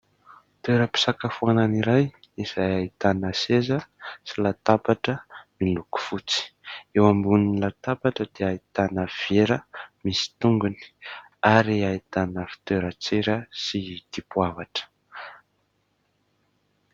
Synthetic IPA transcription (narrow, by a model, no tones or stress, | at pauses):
t̪eɾəpi̥sakafuananiɾaj | iz̥ajait̪anəsezəsilat̪apaʈ͡ʂəmiluku̥fut͡si̥ewambuninlat̪apaʈ͡ʂəd̪̥eait̪anəv̥eɾəmisi̥t̪uŋɡuni̥ | aɾiait̪anəfi̥t̪eɾət͡seɾəsid̪̥ipuavaʈ͡ʂə̥